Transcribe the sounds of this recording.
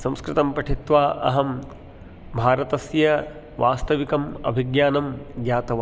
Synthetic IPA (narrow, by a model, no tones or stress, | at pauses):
sɐ̃mskɾɪt̪ɐmpɐʈʰit̪ʋaːʔɐ̰ɦɐm | bʱaːɾɐt̪ɐsjɐ | ʋaːst̪ɐʋikɐmɐ̰bʱiɡjaːnɐmɡjaːt̪ɐʋ